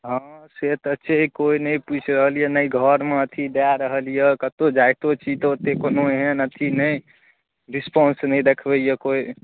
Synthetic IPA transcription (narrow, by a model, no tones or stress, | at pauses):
ɦə̃set̪ətːʃʰeɦikoinəĩput͡ʃʰɾəɦəlijenəiɡʱəɾmeət̪ʰid̪eaɾəɦəlijekət̪od͡ʒajt̪ot͡ʃʰit̪ot̪ːekonoeɦẽnət̪ʰinəi | ɾispɔnsnəĩd̪ekʰbəijekoi